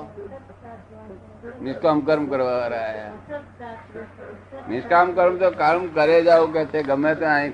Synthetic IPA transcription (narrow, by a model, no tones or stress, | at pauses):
nɪskamkəɾmkəɾʋaɾaɦaɦe | nɪskamkəɾmt̪okəɾmkəɾed͡ʒaːok̬ɛɦt̪eẽɡəmẽt̪ẽaːĩ